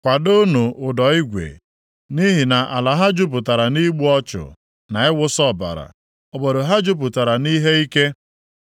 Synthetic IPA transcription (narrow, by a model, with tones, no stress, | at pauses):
kʷa˨dʊ˦nu˨ʊ˨dɔ˨˦i˦ɡʷḛ˨ | ni˦ɦi˨na˨ʔa̰˨la˨ɦa˦d͡ʒʊ˦p̬ʊ˨ta˨ɾa˨ni˦ɡ͡bu˦ɔ˦t͡ʃʊ̰˨ | na˨ɪ˦wʊ˦sɔ˦˨ba̰˨ɾa̰˨ | ɔ˨bɔ˨ɾo˨ɦa˦d͡ʒʊ˦p̬ʊ˨ta˨ɾa˨ni˦ɦe˦i˦ke˦